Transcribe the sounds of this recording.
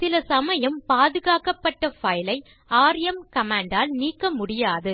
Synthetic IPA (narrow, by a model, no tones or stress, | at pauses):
sɪlɐsɐmɐjɐmpaːðɯɣaːkɐpːɐʈːɐfɐjlɐɪ | aːɾjɐmkɐmaːɳɖaːlniːkːɐmʊɽɪjaːðɯ